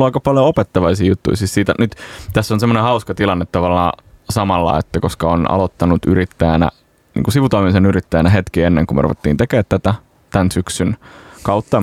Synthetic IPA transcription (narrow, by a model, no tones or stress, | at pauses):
lɑikɑpɑljoopet̪ːɑʋɑisiːjut̪ːṵisiːssiːt̪ænyt̪t̪æsːonsemːonehɑuskɑt̪ilɑnːet̪tɑʋɑlːɑːsɑmɑlːɑ̰et̪ːækoskɑonɑ̰lot̪ːɑnut̪yɾit̪ːæjænæ̰ | nḭːŋkusiʋut̪oimisenyrit̪ːæjænæɦet̪kienːeŋkumḛrṵʋet̪ːḭːnt̪ekeːt̪tæt̪æ | t̪ænsyksynkɑut̪ːɑ